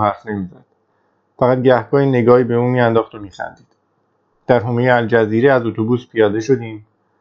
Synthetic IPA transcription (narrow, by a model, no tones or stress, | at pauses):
ɦæɾfne̞miːzæd̪̥ | fæɣæt̪̚ɟæhɡɒːhine̞ɡɒːhiːbe̞uːmiːænd̪ɒːxt̪o̞miːxæ̰nd̪iːd̪̥ | d̪̥æɾɦomejeæld͡ʒæziːɾeæzot̪ʰo̞buːspʰijɒːd̪e̞ʃo̞d̪iːm